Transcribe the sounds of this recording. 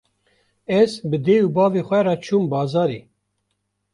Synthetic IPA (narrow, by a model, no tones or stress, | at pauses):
ɛzbəd̪euːbɑːveːxʷɛɾɑːt͡ʃʰuːmbɑːzɑːɾe